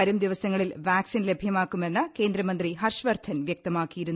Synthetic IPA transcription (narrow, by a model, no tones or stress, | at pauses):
ɐɾumd̪iʋɐsɐŋːɐɭilʋaːksinle̞bʱjɐmaːkːume̞nːɐke̞ːnd̪ɾɐmɐnd̪riɦɐrʂɐʋɐrd̪ʰʱɐnʋjek̚t̪ɐmaːkːijiɾunː